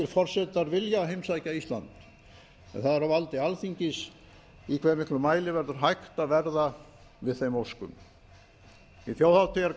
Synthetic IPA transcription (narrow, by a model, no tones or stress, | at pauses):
ɪɾ̥fɔr̥sɛt̪aɾvɪljaɦejmsajcaist̪la̰nt̪ | ɛ̰nθaðɛɾavalt̪ɪalθiɲcɪs | ikʰvɛɾmɪhklʏmaːjlɪvɛɾðʏɾ̥ɦajxt̪avɛɾða | vɪðθejmowskʏ̰m | iθjowhawt̪ʰɪaɾ